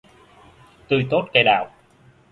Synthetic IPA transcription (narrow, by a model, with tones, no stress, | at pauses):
t̪ɨ˧˩jt̪o˦˥t̚ka˧jɗaː˨˩w